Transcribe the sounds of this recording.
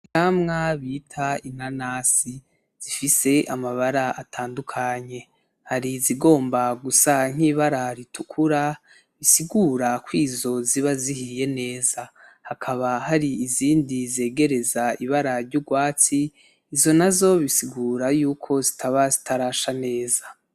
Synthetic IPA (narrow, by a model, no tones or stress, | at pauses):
amŋaβitʰain̥anaːsi | z̥ifise̞ʔamaβaɾaatʰaːndukʰaɲe̞ | haɾiziɡo̞ːmbaɡusaŋ̥iːβaɾaɾitukʰuɾa | βisiɡuːɾakwiːzo̞ziβazihije̞ne̞ːzahakʰaβahaɾiiziːndize̞ːɡe̞ɾe̞zaiβaɾaɾɟuɡwaːt͡siː | zo̞nazo̞βisiɡuːɾajuːkʰo̞zitʰaβazitʰaɾaːʃane̞ːza